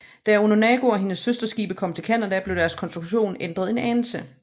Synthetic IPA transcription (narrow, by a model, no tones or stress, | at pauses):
d̥æononɛɡ̥o̝ɒ̽ɦe̝nəsːøsd̥ɐsɡ̥ḭːb̥əkʰɒ̽m̰t͡sʰe̝lkʰæn̰ɐdæble̝ʊ̥æɐskʰɒ̽nsd̥ʁuɡ̥ɕo̝̰ːnend̥ʁɐðˠe̝nɛnsə